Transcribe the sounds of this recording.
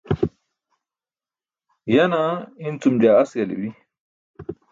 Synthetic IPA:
janaint͡sumd͡ʑaːsɡɐlḭwi

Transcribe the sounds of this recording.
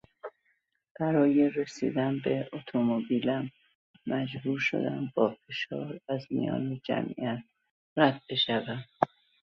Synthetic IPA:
b̥æɾɒːjeresḭːd̪ænbeot̪ʰomobilæmː | æd͡ʒbuːɾʃo̞̰d̪æmbɒːfe̞ʃɒːɾæzmḭjɒ̰ːned͡ʒæ̰mʔḭʔæt̪̚ | ræd̪̚be̞ʃævæn̥

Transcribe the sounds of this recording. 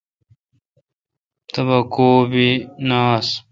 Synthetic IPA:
t̪ɐbɐkoːbinaːs

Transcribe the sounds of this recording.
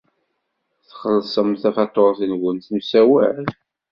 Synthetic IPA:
θχəlsˤəmθæfɑt̪ˤːoɾˤθinɡʷənθəmsæwæɾ

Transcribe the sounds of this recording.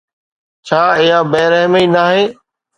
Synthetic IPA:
t͡ʃʰaːɪɦãːbɛːɾəɦməiːnaːɦeː

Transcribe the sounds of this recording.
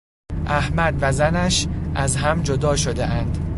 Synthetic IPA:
ʔæhmæd̪væzænæʃʔæzɦæmd͡ʒod̪ɒːʃod̪ḛʔænd̪̥

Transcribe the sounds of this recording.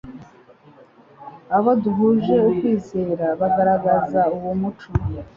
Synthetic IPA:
aβoduɦuʒe̞ukwiːze̞ːɾaβaɡaɾaɡazauwumut͡ʃu

